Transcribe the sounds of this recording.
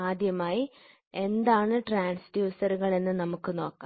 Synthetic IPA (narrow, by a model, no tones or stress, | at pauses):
aːd̪ʱjɐmaːji | e̞nd̪aːɳɨʈraːɳsdjuːsɐɾuɣɐɭe̞nːɨnɐmukːɨno̞ːkːaː